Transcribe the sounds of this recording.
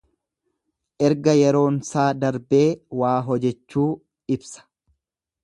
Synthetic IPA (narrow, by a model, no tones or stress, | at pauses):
ʔɛɾɡɐjɛɾo̞ːnsaːd̪ɐɾbe̞ːwaːɦɔd͡ʒɛt͡ʃːuː | ɪbsɐ̥